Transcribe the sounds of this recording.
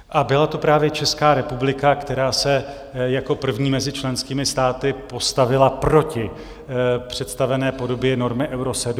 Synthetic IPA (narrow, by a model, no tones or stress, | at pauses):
ʔabɪlat̪o̞pɾaːvjɛt͡ʃɛskaːɾɛpublɪkakt̪ɛɾaːsɛ | jako̞pr̩vɲiːmɛzɪt͡ʃlɛnskiːmɪst̪aːt̪ɪpost̪avɪlapɾo̞cɪ | pr̝̥ɛt̪st̪avɛnɛːpo̞do̞bjɛno̞ɾmɪʔɛwɾosɛd